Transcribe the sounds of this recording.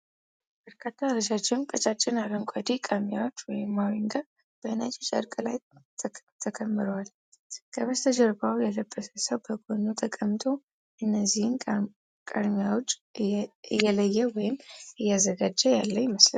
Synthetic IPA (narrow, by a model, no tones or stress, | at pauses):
b̥əɾkʰat̪ʰːaɾəʃat͡ʃːɪmkʼət͡ʃʼat͡ʃʼːɪnaɾəŋkʷʼad̪ikʼamijawot͡ʃːwɔjɪmːawiŋɡa | b̥əɨnat͡ʃʼɛt͡ʃʼə̰ɾkʼɨlajʰ | t̪ʰəkʰəmːɨɾəwal | kʰəβəst̪ʰəd͡ʒəɾbawjɛləbːəsʰəsəwbəɡonot̪ʰəkʼəmːt̪ʰo̞ | ʔɨnːəzːihn | kʼad̪mijawot͡ʃʼː | ɨjːɛləjːɛwɔjɪmʔɨjːɛazəɡad͡ʒːəjalːəɲːməslə̰n